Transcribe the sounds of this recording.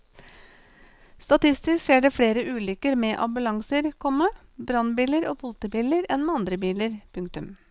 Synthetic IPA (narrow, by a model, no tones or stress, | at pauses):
st̪ɑt̪ɪst̪ɪskʃeːɖeːfɽeːɾəʔʉːlʏkəɾmeːʔɑ̰bʉlɑŋsəɾkʰɔməbɾɑnbiːləɾoːpʊlt̪əbiːləɾɛnmeːɑnd̪ɾəbiːləɾpʰʉŋk̚t̪ʉm